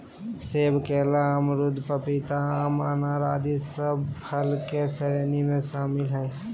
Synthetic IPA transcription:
seːbkelamɾʊd̪ʱpəpɪt̪amə̰naːɾaːd̪isəbpʰəlkesəɾeːnimẽʃaːmɪlɦɛː

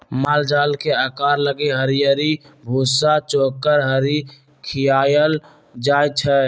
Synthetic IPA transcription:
maːld͡ʒaːlkeəkaːɾləɡeɦəɾijəɾibʱuːsat͡ʃoːkːəɾɦəɾi | kʰɪjaːjəl | d͡ʒaːjt͡ʃʰɛ

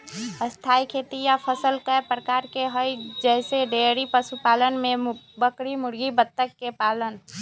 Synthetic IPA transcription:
əst̪ʰaːikʰet̪ijapʰəsəlkəpɾəkaːɾkeɦəid͡ʒɛseɖeɾipəsupaːlənmẽbəkɽimʊɾɡibət̪ːəkːepaːlən

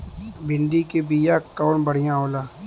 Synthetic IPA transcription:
bɪɳɖikebijakːaːɳbəɽ̤ijãɦoːlaː

